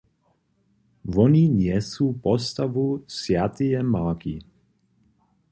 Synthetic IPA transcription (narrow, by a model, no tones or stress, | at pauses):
vɔninjɛsuːpɔst̪avusjat̪ijɛmaːkḭ